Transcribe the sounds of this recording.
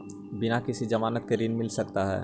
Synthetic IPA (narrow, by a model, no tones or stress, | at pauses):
bɪnakɪsid͡ʒɐmaːnət̪̚keɾɪnmɪlsɐkt̪aɦɛ̰ː